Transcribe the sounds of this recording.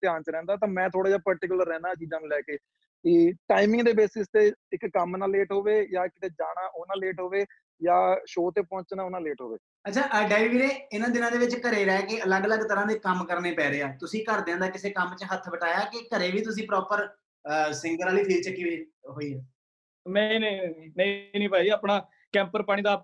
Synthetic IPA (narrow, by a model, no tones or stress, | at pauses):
t̪ɪjaːnt͡ʃɾɛ̃ːnd̪aːt̪̬ãːmɛ̃ːt̪ʰoːɽaːd͡ʒaːpəɾʈɪkʊləɾːɛ̃ːnaːt͡ʃiːd͡ʒãːnlɛːkeː | kiːʈaːimɪ̃ŋɡd̪eːbeːsɪst̪eːɪkːəmnaːleːʈɦoːʋeːjaːɪkɪt̪eːd͡ʒaːɽaːɦoːnãːleːʈɦoːʋeː | jaːʃoːt̪eːpɔ̃ːɲt͡ʃnãːʊnãːleːʈɦo̰ːʋḛː | ətːt͡ʃʰaːʔɖaːiʋiːɾeːɪnãːd̪ɪnãːd̪eːʋɪt͡ʃkəɾeːɾɛːkeʔələɡələɡt̪əɾãːd̪eːkəmkəɾneːpɛːɾeːaːt̪ʊsĩːkəɾd̪ɪ̃ãnd̪aːkɪseːkəmt͡ʃəɦət̪ʰbəʈaːjaːkɪkəɾeːʋiːt̪ʊsĩːpɾɔːpəɾ | sɪŋɡəɾaːliːpʰɪːɾt͡ʃəkːiʋeːɦoːiːɛː | mɛ̃ĩːnẽːnẽiːnĩːpaːiːaːpnaː | kɛ̃ːmpəɾpaːɽ̃iːd̪aː